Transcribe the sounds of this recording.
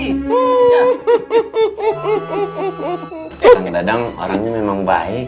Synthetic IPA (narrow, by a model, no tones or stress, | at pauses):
ɔɾaŋdadaŋɔ̰ɾaŋɲamemaŋba̰ɛ